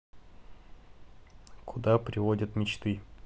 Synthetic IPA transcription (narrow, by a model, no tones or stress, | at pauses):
kʊd̪apɾʲɪvodʲət̪mʲɪt͡ɕt̪ɨ